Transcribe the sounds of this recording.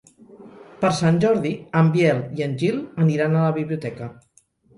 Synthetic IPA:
pəɾsanʲʒɔɾðiəmbjɛliənʲʒilˠəniɾanələβiβliut̪ɛkə

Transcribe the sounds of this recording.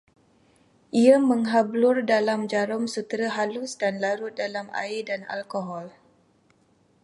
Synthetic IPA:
ʔiaməŋɦablʊrdalamd͡ʒaɾɔmsut̪ɾaɦalusdanlaɾʊt̪̚dalama̰ɪdana̰lkoɦɔl

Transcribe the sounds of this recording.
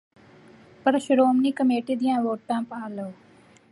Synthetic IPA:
pəɾʃʊɾoːmniːkəmeːʈiːd̪ɪjãːʋoːʈːãːpãːloː

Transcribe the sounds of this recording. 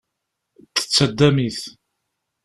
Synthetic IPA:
t̪ːə̥t͡sːəd̪ːæmiθ

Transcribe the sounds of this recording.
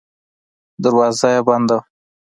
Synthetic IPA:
d̪aɾwɑzajabɑnd̪aw

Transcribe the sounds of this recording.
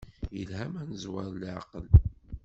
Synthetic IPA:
jəlhæmænəzwaɾˤlʕɑ̰qəl

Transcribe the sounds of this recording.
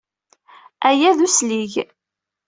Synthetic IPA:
æjæðusliʝ

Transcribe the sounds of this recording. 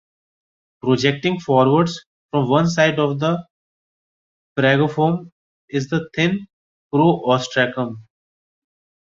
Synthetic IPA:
pɾod͡ʒek̚ʈɪ̃ŋɡfɔːɾʋəɾɖz | fɾɔ̃mʋʌ̃ns̬aɪɖɔːʋd̪ə | pɾɛɡofõːm | ɪzd̪ət̪ʰɪ̃n | pɾoːʔɔːsʈɾɛkə̃m

